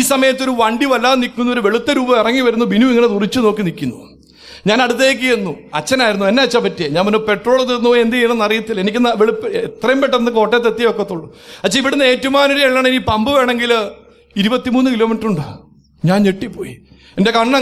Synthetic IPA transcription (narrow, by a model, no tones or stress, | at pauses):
iːsɐmɐjɐt̪ːo̞ɾuʋɐɳɖiʋɐlːaːnikʲːunːʋoɾuʋe̞ɭut̪ːɐɾuːbɐmirɐŋːiʋɐɾunːubinuiŋːɐnet̪urit͡ɕːuno̞ːkːinikʲːunːu | ɲaːnɐɽut̪̬ːeːk̬ːijenːuɐt͡ɕːɐnaːjiɾunːuenːeɐt͡ɕːapːɐtːijeɲaːnmunope̞ʈroːɭɐðinoːend̪ieɳɐnːɐrijɐt̪ːilenikʲːɨnɐʋeɭipːet̪rɐjumpeʈːɐnːɨko̞ːʈːet̪̬ːet̪ːijɐokːet̪ːuɭːuɐt͡ɕːɐiʋiɽunːe̞ːtːumaːnuɾeiɭːaːɳinipɐmbɨʋe̞ːɳe̞ŋɡil | iɾubɐt̪ːimuːnːukilo̞ːmiʈruɳɖɨ | ɲaːneʈːipːo̰ːjḭ | ende̞kɐɳːɐ